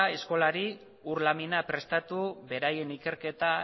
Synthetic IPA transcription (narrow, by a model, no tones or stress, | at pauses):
e̞sko̞laɾi | uɾlaminapɾe̞st̪at̪uβe̞ɾaje̞nike̞ɾke̞t̪a